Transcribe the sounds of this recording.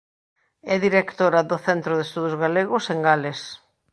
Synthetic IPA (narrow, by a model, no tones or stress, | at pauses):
ɛðiɾekt̪oɾɐðʊθɛnt̪ɾoðest̪uðozɣaleɣʊseŋɡales